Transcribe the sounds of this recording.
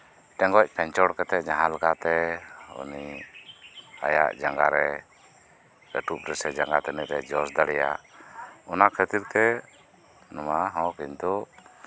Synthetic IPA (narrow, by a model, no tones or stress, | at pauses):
ʈɛ̃ŋɡɔc̚ˀpʰɛɲt͡ʃɔɽkɛt̪ɛd͡ʒãɦãlakat̪ɛṵni | a̰ja̰ʔd͡ʒaŋɡaɾɛ | ɛʈup̚ɾɛsɛd͡ʒaŋɡat̪ɛnɛɾɛd͡ʒɔsd̪aɽɛja̰ | ɔnakʰət̪iɾt̪ɛ | nɔmaɦɔ̃kiɲt̪u